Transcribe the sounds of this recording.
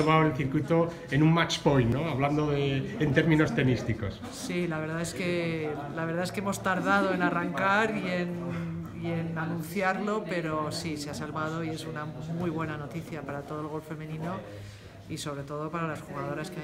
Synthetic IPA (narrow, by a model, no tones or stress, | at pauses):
oβaoelθiɾkwit̪o̞ | enũŋmat͡ʃpolnoaβland̪oðeent̪eɾmĩno̞st̪e̞nist̪iko̞s | silaβe̞ɾðae̞ske̞laβe̞ɾðaeskeemo̞st̪aɾðað̞o̞e̞naraŋkaɾie̞n | ie̞nanũnθjaɾlope̞ɾo̞siseasalβað̞o̞ie̞sunamwujβ̞we̞nano̞t̪iθjapaɾat̪o̞ð̞olɣ̞o̞lfe̞mẽ̞nĩno̞ | iso̞β̞ɾe̞t̪o̞ðo̞paɾalasxuɣaðo̞ɾaskea